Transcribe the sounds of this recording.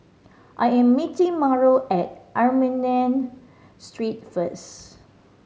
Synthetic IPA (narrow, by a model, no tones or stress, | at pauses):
ʔajɛ̃mːitĩmɔɹoʔɛt̚ʔaɹmĩnɛ̃n | stɹit̚fəs